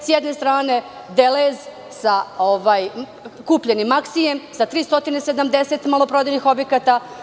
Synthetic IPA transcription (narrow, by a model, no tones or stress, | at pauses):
sjed̪ne̞st̪ɾaːne̞ | d̪elez | saoʋaːj | kuːpʎenimːaksijemsat̪ɾiːst̪o̞t̪inesed̪amd̪ese̞t̪malˠo̞pɾod̪enixo̞bjekat̪a